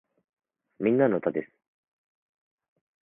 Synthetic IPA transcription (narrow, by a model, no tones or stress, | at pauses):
mʲĩnːano̞t̪ad̪e̞sɨ̥